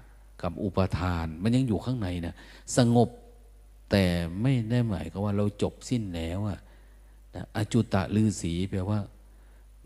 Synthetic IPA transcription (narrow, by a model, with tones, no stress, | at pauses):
ka˧˩m̚ʔu˨˩pa˧t̪ʰaː˧nma˧nɲa˧ŋjuː˨˩kʰaː˧˥˩ŋna˨˦jna˧˩ | sa˧ŋo˨˩p̚ | t̪ɛː˨˩ma˥˩jda˥˩jma̰ː˨˦jka˧˩waː˧˥˩ɾa˧wt͡ɕo˨˩p̚si˥˩nlɛː˦˥˨wʔa˧˩ | na˧ʔa˧˩t͡ɕu˧˩t̪ːa̰˨˩lɯː˧˩siː˨˩˦bɛː˨˩waː˧˥˩